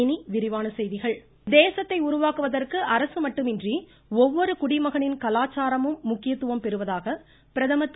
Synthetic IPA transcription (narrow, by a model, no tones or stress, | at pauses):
ɪniʋɪɾɪʋaːnɐsɛjðɪɣɐɭ | d̪eːsɐt̪ːɐɪʊɾʊʋaːkɯʋɐðɐrkɯʔɐɾɐsɯmɐʈːɯmɪndri | ɔʋːɔɾɯkʊɽɪmɐɣɐɳɪnkɐlaːt͡ʃːaːɾɐmɯmːʊkːɪjɐt̪ːɯʋɐmpɛɾɯʋɐðaːɣɐ | pɪɾɐðɐmɐt̪ː